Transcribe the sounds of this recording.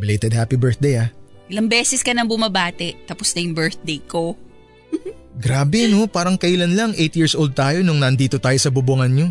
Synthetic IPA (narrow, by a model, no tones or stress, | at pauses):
bɪlejt̪ɛd̪haːpibɛɹθ̚d̪ejaʔɪlɐŋbɛːsɛskɐnɐŋbʊmɐbaːt̪ɛʔt̪ɐposnɐjʊŋbɛɹθ̚d̪ejko̞ | m̩ɡɾaːbɛɐno̞paːɾɐŋkɐʔɪlɐnlɐŋʔejt̪jiɹsʔowld̪̚t̪aːjo̞nʊŋnɐʔnd̪iːt̪ot̪aːjo̞sɐbubuŋɐnɲo̞